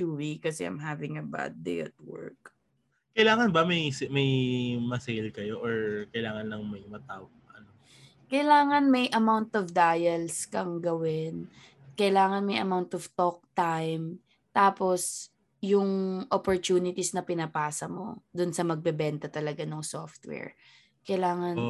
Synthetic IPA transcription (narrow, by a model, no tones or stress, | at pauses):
uwikːɐsɛ̰ʔã̰jmɦavɪ̃ŋɐba̰d̪̚d̪ḛjɐ̰t̪̚wɛ̰ɹk̚ | kɐjlaːŋɐnbɐmɐjsmɐjmɐsejlkɐjoʔɔɹkɐjlaːŋɐnlːɐŋmɐjmɐt̪aːwɐɡ̚ʔɐno | kɐjlaːŋɐnmɐjʔɐmawnt̪ɔvd̪aːjɐlskɐŋɡɐwɪn | kɐjlaːŋɐnmɐjʔɐ̰mawnt̪ɔvt̪ok̚t̪ajm | t̪aːpo̞s | jʊŋʔopoɹt̪uːnɪt̪isnɐpɪnɐpaːsɐmo̞̰d̪ʊnsɐmɐɡ̚bɛbɛnt̪ɐt̪ɐlɐɡanoŋsoft̪̚wɛ̰ɹ | kɐjlaːŋɐn